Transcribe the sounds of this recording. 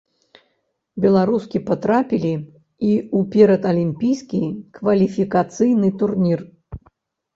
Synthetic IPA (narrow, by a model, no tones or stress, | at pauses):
bʲɛlˠaɾuskʲipat̪ɾapʲilʲi | iupʲɛɾɐt̪ɐlʲimʲpʲijskʲikvɐlʲifʲikat̪sɨjnɨt̪urnʲir